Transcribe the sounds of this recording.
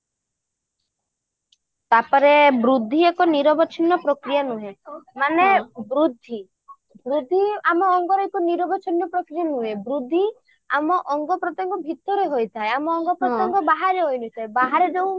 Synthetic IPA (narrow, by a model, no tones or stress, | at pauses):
t̪apɔɾebɾud̪ʱːiekɔniɾɔbɔt͡ʃʰinːɔpɾɔkɾijanuɦemanebɾud̪ʱːi | bɾud̪ʱːiamɔːŋɡɔɾɔjkɔniɾɔbɔt͡ʃʰinjɔpɾɔkɾijanuɦebɾud̪ʱːi | a̰mɔʔɔŋɡɔpɾɔt̪ɔŋkɔbʱit̪ɔɾeɦojt̪ʰaeamɔːŋɡɔpɾɔt̪ɔŋkɔbaɦaɾeɦojnujt̪ʰaebaɦaɾed͡ʒew̃